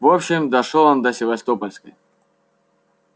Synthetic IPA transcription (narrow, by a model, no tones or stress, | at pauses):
vopɕɪmd̪ɐʂolˠond̪ɐsʲɪvɐst̪opəlʲskə̰j